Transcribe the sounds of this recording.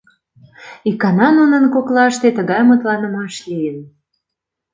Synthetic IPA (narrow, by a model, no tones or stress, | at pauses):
ikɑnɑnunə̆nkoklɑʃt̪et̪əɣɑjmot̪lɑnə̆mɑʃlʲijən